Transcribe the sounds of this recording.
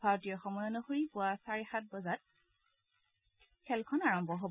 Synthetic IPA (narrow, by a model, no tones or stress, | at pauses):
bʱaɹɔtijɔxɔmɔjɔnɔxuɹipʊasaɹixat̚bɔzat̚ | kʰɛlkʰɔnaɹɔmbʱɔɦɔb